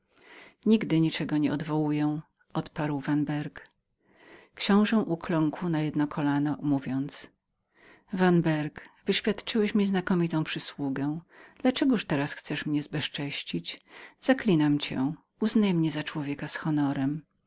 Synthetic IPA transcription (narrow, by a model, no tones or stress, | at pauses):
ɲiɡd̪ɘɲit͡ʂɛɡɔɲɛɔd̪vɔwujɛ | ʔɔt̪paɾwvanbɛɾk | kɕɔ̃w̃ʐɛ̃ʔuklɔ̃ŋkwnajɛd̪nɔkʰɔlanɔmuvʲjɔnt̪s | vanbɛɾkvɘɕfʲjat̪t͡ʂɘwɛɕmʲiznakɔmʲit̪ɔ̃w̃pʂɘswuɡɛw̃d̪̥lat͡ʂɛɡuʂt̪ɛɾasxt̪sɛʂmɲɛzbɛʂt͡ʂɛɕt͡ɕit͡ɕz̥aklʲinamt͡ɕɛ̰ | uznajɛmɲɛzat͡ʂwɔvʲjɛkasxɔnɔɾɛm